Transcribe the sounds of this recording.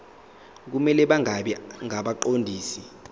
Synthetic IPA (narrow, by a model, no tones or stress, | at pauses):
k̬umɛlɛɓaŋaɓɛŋaɓaǃondʱiːsi